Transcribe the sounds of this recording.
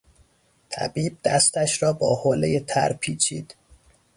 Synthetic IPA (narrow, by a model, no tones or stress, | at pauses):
t̪ʰæ̰biːb̚d̪̥æst̪æʃɾɒːbɒːhoːlejet̪ʰæ̰ɾpʰiːt͡ʃʰḭːd̪̥